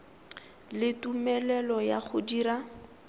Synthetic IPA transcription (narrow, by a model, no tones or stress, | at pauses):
lɪtumɛlɛlɔjaχʊdiːɾa